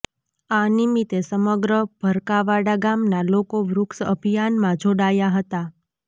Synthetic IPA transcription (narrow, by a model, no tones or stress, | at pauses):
animit̪esəməɡɾəb̥ʱəɾkaʋaɽaɡamnalokoʋɾʊksə̰bʱijanmãd͡ʒʱoɽajaɦət̪a